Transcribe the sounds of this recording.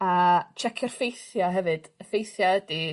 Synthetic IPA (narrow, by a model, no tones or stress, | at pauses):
at͡ʃʰɛkʰjɔrfejθjaɦɛvɨd̥əfejθjaədi